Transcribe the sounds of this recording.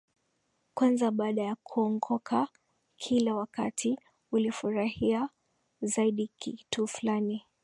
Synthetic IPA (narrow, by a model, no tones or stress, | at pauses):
kwanzaɓaːɗajakʰuɔŋɡɔkʰa | kʰilawaka̰tʰi | ulifuɾahia | zaiɗikʰitufulani